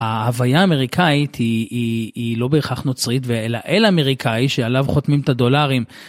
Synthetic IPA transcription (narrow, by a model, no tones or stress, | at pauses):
aavajaːme̞ʁikʰait̪ʰiiːlo̞beːχaχno̞t͡sʁit̪veelaʔelameʁikʰaiʃealavχo̞t̪mimt̪ad̪o̞laʁim